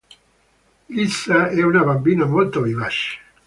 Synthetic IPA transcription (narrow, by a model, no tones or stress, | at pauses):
isaɛunaβambinamolt̪ovivaʃ